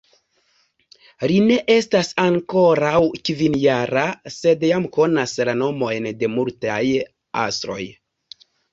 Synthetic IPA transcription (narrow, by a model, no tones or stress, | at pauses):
line̞ʔe̞stasaŋko̞ɾawkvinjaɾase̞djamko̞naslano̞mo̞jnde̞multaj | a̰sɾo̞̰j